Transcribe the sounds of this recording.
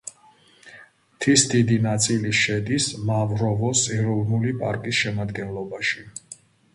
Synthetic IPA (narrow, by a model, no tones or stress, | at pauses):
t̪ʰisd̪id̪inat̪sʼiliʃɛd̪ismavɾɔvɔsʼɛɾɔvnulipʼaɾkʼisʃɛmad̪ɡɛnlˠɔbaʃi